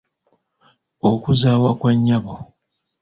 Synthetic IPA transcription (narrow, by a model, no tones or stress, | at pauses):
okuzaːwakwaɲːaβo